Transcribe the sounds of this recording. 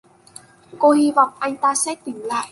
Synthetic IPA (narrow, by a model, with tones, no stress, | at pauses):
ko˧hi˧vɔ̰˧˨wŋ͡mʔa˧jŋ̟t̪aː˧sɛ˦˥t̪ï˨˦ŋ̟la̰ː˧˨j